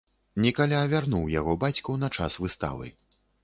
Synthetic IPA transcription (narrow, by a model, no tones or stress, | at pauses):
nʲɛkalʲaːvʲarnuwjaɣɔbat͡sʲkɐwnɐt͡ʂa̰svɨst̪a̰vɨ̰